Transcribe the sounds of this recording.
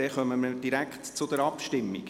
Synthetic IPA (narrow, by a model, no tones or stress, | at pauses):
ɛχœməməd̥iɾækχtt͡sʊd̥̪əɾɑpʃtɪmːḭɡ